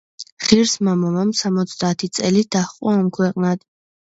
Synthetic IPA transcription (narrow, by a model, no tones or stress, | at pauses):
χiɾsmamamamsamɔt̪sʰd̪aːt̪ʰit̪sʼɛlid̪̥aχqʼwaamkʰwɛqʼnad̪̥